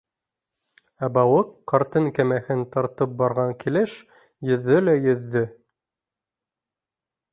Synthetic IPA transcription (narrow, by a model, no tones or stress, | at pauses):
æbɑwɤqːɑɾt̪ɤŋkæmæhɘnt̪ɑɾt̪ɤp̚bɑɾʁɑŋkilɘʃ | jɵ̆ðːɵlæjɵ̆ðːɘ